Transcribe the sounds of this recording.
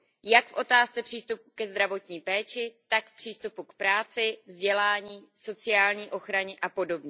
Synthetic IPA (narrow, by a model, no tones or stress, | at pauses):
jakfʔo̞t̪aːst͡sɛpr̥iːst̪upu̥kɛzd̪ɾavo̞t̪ɲiːpɛːt͡ʃɪt̪akfpr̥iːst̪upukpɾaːt͡sɪvzɟɛlaːɲiːso̞t͡sɪaːlɲiːʔo̞xɾaɲɛʔapo̞do̞bɲɛ